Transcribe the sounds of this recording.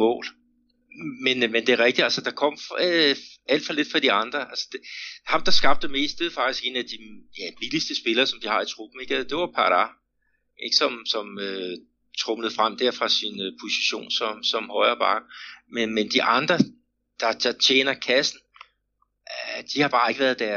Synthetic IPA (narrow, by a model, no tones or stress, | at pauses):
mɔ̰̽ːl | menmend̥e̝æɐʁɛɡ̥̚d̥id̥ælsəd̥ɑ̈kʰɒ̽m̰ | æl̰d̥fɒ̽le̝d̥fɑ̈d̥iɑ̈nd̥ʁɐʔælsə̥d̥hɑ̈md̥ɑ̈sɡ̥ɑ̈b̥̚d̥eme̝̰ːisd̥e̝ð̩ˠfɑ̈ɡ̥isɡ̥e̝ːnæd̥ijæb̥ilisd̥əsb̥e̝lɐːsɒ̽md̥ihɑ̈it͡sʰʁub̥m̩e̝ɡ̥æsəd̥e̝ʋɑpʰɑd̥ɑ | ʔeɡ̥sɒ̽msɒ̽mø | t͡sʰʁɔmləð̩ˠfʁam̰d̥æɐ̰fʁɑ̈sinpʰo̝si̥ɕo̝̰ːnsɒ̽msɒ̽mhɒɪɐb̥ɑ̈ːɡ̥əmenmend̥iʔɑ̈nd̥ʁɐ | d̥ɑ̈d̥ɑ̈t͡ɕʰḛːnɐkʰæsn̩ | d̥ihɑ̈b̥ɑ̈ːe̝ɡ̥ʋæɐðˠd̥æɐ